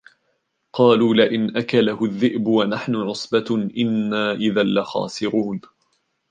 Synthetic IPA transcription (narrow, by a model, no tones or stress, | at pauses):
qɑːluːlɪʔɪnʔakalahʊðːɪʔbʊwanaħnʊʕʊsˤbaʔɪnːaːʔɪðalːaxɑ̰ːsɪɾuːn